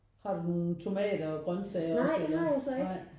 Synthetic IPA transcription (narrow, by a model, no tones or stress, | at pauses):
hɑ̈d̥uno̝ːn̩t͡sʰo̝mɛ̰ːdɐːɡ̥ʁɶnsɛɪɐɪeɑ̈jasɔɑɪ̰